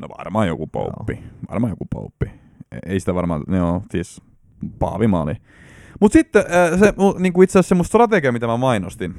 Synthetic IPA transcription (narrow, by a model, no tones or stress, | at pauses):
no̰ʋɑ̰rmɑːjo̰kupo̰ṵpːiʋɑ̰rmɑːjokupo̰upːḭ | eisi̥t̪æʋɑrmɑ̰ːneosiːs | pɑ̰ːʋimɑ̰ːlḭ | mut̪sit̪ːeseuniːŋkuit̪seæssemːost̪srɑt̪eɡiɑmit̪æmæmɑinost̪in